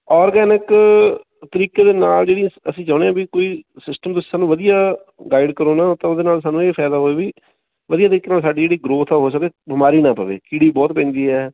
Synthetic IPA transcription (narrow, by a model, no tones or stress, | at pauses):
ɔːɾɡɛːnɪk | t̪əɾiːkeːd̪eːnaːld͡ʒeːɽĩəsĩːd͡ʒɔːɽ̃eãːbikoːiːsɪsʈəmt̪ʊsi̥ːsaːnũːʋəd̪ijaː | ɡaːɪɖkəɾoːnãːt̪ãoːd̪eːnaːlsaːnũːeːpʰɛːd̪aːɦoːeːbiː | ʋəd̪ijaːt̪əɾiːkːeːnaːlsaːɖiːd͡ʒeːɽiːɡɾoːt̪ʰaɦoːs̬əkeːbɪmaːɾiːnãːpəʋḛːkiɽiːbɔːt̪̚pɛ̃ːnd̪iːɦɛː